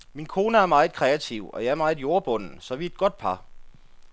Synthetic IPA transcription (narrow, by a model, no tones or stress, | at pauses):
minkʰo̝ːnəæɐmɑ̈ɪð̩ˠkʰʁɛæt͡sʰiʊ̰ɒ̽jɑ̈ɪæɐmɑ̈ɪð̩ˠjo̝ɐb̥ɔ̽n̰n̩sɒ̽ʋied̥̚ɡ̥ɔ̽d̥̚pʰɑ̈